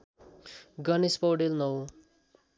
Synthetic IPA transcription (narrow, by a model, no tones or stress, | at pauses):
ɡʌnespowɖelnʌw